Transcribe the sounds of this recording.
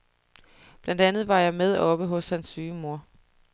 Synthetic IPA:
b̥lænd̥ænð̩ˠʋɑ̈jɑ̈ɪmeð̞ˠɒ̽b̥əɦɔ̽shænsːyːmo̝ɐ̰

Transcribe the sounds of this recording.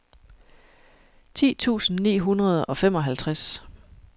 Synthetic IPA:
t͡sʰḭːt͡sʰṵːsn̩nḭːɦunʁɐð̞ˠɒ̽fem̰ɒ̽ɦælt͡sʰʁas

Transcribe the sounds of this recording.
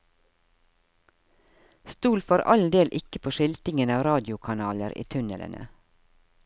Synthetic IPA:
st̪uːlfoːɾɑ̰ld̪eːlʔɪkəpʰoːʃɪlt̪ɪŋənɑːʋɾɑːd̪ɪʊkʰɑnɑːləɾʔḭːt̪ʰʉnələ̰nʔə̰

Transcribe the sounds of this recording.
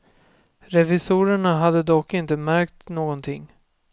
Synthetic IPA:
ɾɛvɪsuːɾəɳaɦad̪ːəd̪ɔkːɪnt̪əmæɾkt̪noːɡɔnt̪ʰɪŋː

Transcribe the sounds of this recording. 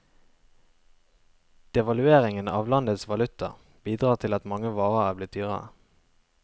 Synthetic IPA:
d̪̥ɛʋɑlʉeːʁɪŋənɑ̰ːʋlɑnd̪ət̪sʋɑlʉt̪ə̰ʁ | b̥iːd̪ʁɑːt̪ʰɪlɑt̪mɑŋəʋɑːʁəæːblɪt̪̚d̪yːʁəʁə

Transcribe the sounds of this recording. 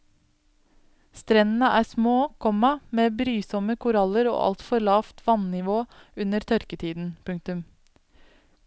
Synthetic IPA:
st̪ɾɛnn̩əʔæːsmoːkʰɔmɑmeːbɾyːsɔməkʰʊɾɑləɾo̰ːʔɑ̰lt̪fɔɾɭɑːft̪ʰʋɑnnɪʋoːʉnəɾt̪ʰœɾkət̪ʰiːd̪n̩pʰʉŋk̚t̪ʉm

